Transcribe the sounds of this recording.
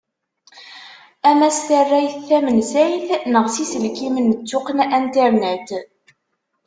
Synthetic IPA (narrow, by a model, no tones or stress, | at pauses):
æmæst̪ərːæjθːæmənsæjθnəʁsisəlkimənt͡sːʊqənænt̪æɾnæt̪